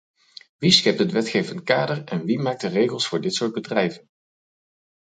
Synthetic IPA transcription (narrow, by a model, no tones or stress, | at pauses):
ʋisxɛp̚tətʋɛtχejvəntkaːdərɛnʋimaːk̚dərejχəlˠsfʊːɹdɪtsʊːɹd̚bədrɛjvən